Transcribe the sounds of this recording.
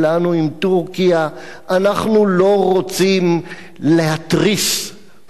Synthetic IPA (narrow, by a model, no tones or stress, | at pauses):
lanuimt̪uʁkia | ʔanaχnulo̞ʁot͡sim | lehat̪ʁis